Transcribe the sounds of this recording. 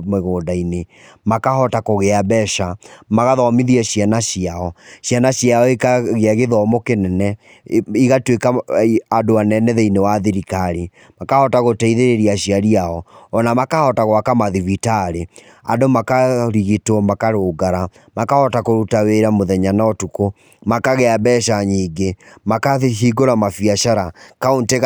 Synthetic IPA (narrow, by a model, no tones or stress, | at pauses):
meɣoːdaine | makahɔtakoɣeabɛʃamaɣaðɔmiðiɛɕjanaʃiaɔɕjanaɕiaɔekaɣeaɣeðɔmokenɛnɛ | iɣatwekaadoanɛnɛðeinewaðiɾikaɾe | makahɔtaɣotɛiðeɾeɾiaɕiaɾiaɔɔnamakahɔtaɣwakamaðivitaɾe | a̰ndomakaɾiɣitɔmakaɾoːɡaɾa | makahɔtakoɾutaweɾamoðɛɲanaɔtuko | makaɣɛabɛːʃaɲiːɡemakahiɡoɾamafiaʃaɾakaonteɣ